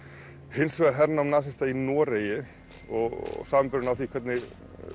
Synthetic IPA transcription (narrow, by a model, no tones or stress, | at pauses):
hɪnsvɛɾ̥ɦɛɾnaɔmnaːsɪst̪ainɔːɾeːjɪ | ɔɣɣsaːmɪmpʏɾʏɪnawθikʰvɛt̪nɪ